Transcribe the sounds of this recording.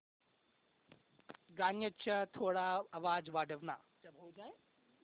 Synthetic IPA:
ɡaːnjət͡ɕɐt̪ʰoːɽaɐʋaːd͡ʑʋaːɖʱəʋna̰ː | bod͡ʒãː

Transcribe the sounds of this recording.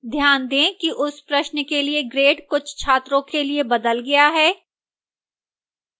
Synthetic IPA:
d̪ʱjaːnd̪ẽːkiʔʊspɾɐʃnkelieɡɾeːʈkʊt͡ʃʰt͡ʃʰaːt̪ɾõkeliebɐd̪əlɡɐjaɦɛː

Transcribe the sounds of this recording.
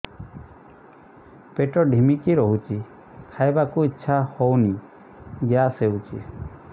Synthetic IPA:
peʈɔɖʱimikiɾɔɦut͡ʃi | kʰajbakuitːʃʰahowni | ɡjasewt͡ʃḭ

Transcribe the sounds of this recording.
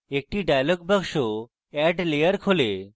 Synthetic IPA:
ek̚ʈiɖajəlɔɡ̚bəkʂo | ɛɖlejəɾkʰole

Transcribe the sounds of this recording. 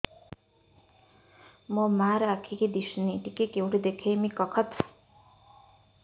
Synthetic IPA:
mɔmaɾakʰiked̪iʃniʈikekewʈed̪ekʰemikɔkʰət̪ʰ

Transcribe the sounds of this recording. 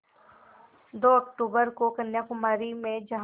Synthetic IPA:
d̪oːɐk̚ʈuːbəɾkokɐnjakʊmaːɾimẽd͡ʒɐɦ

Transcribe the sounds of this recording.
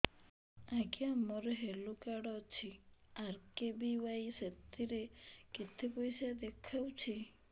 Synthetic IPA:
aɡiamɔɾeɦelokaɽɔt͡ʃʰiaɾkebiwajset̪iɾeket̪ʰepɔjsad̪ekʰawt͡ʃʰi

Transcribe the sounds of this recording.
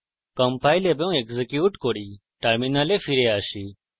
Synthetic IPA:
kɐ̃mpaːilebeũekzekjuːʈkoːɽiː | ʈɐɾminaːleːfʰiɾeːaːʃiː

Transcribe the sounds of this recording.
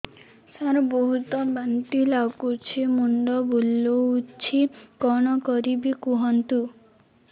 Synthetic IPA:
saɾɔboɦut̪ɔbant̪ilakut͡ʃʰemuɳɖɔbulːout͡ʃʰikɔɽ̃ɔkɔɾibikuɦɔnt̪u

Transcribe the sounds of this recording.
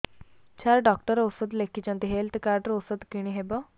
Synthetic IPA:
t͡ɕʰaɾɖɔk̚ʈəɾosəd̪lekit͡ʃãnt̪iɦelt̪ʰkaɾɖəɾosəd̪kiɽ̃iɦebɔ

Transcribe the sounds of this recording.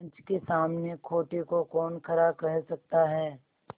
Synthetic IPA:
ɲt͡ʃkesaːmnekʰoːʈekokɔːnkʰɐɾabkɐɦsɐk̚t̪aɦɛː

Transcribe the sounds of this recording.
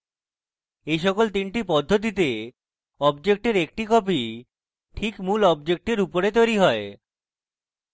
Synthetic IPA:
ejʃɔkolt̪inʈipɔd̪ʱːot̪̬it̪e | ɔbd͡ʑek̚ʈeɾek̚ʈikɔp̬i | ʈʰikmulɔb̚d͡ʑek̚ʈeɾupoɾet̪ojɾiɦɔe

